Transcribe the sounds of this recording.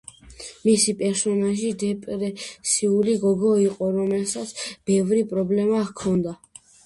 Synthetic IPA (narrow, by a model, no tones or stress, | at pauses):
misipʼɛɾsɔnaʒid̪ɛpʼɾɛsiuliɡɔɡɔiqʼɔɾɔmɛlsat̪sʰb̥ɛvɾipʼɾɔblɛmakʰɔnd̪a